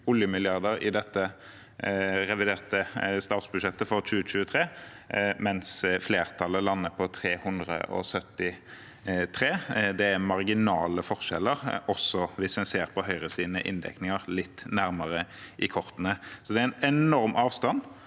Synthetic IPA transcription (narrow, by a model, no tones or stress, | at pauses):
ʊljəmɪlɪɑʁd̪əɾɪ̰d̪ɛt̪ːə | ɾɛʋɪd̪eːʁt̪əst̪ɑːt̪sbʉd̪ʃɛt̪ːəfɔʁɕʉːət͡ʃʉːət̪ʰʁeː | mɛnsfleːʁt̪ʰɑlːəlɑnːəpʰɔt̪ʰʁeːhʉnd̪ʁə̰ʔɔ̰sœt̪ːɪ | t̪ʰʁeːd̪ɛæmɑʁɡɪnɑːləfɔʁʃɛlːəʁɔsːɔʋɪsmɛnseːʁpʰɔhœʏʁəsiːd̪nə̰ʔɪ̰nd̪ɛ̰knɪŋəʁlɪt̪ːnæʁməʁəʔɪkʰɔʁt̪ənəsɔd̪ɛæɪnɛnɔʁmʔɑːʋst̪ɑn